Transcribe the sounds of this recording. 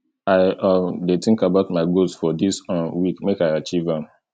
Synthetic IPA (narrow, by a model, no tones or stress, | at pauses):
aɪɔdetĩŋkabaʊtmaɪɡolsfɔdisɔ̃nwikmekaɪat͡ʃivãm